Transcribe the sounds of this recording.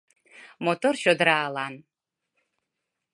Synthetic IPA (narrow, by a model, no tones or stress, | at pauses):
mot̪orɕod̪ɾaːlan